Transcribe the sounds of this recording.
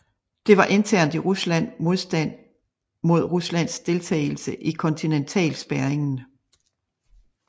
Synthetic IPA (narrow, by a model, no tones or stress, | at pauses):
d̥e̝ʋɑ̈ʔe̝nt͡sʰæɐ̰nd̥iʁuslæn̰mo̝ð̞ˠsd̥æn̰ | mo̝ð̞̰ˠʁuslæn̰sd̥e̝lt͡sʰɛ̰ɪl̩səʔikʰɔ̽nt͡sʰinent͡sʰɛ̰ːlsb̥æɐeŋn̩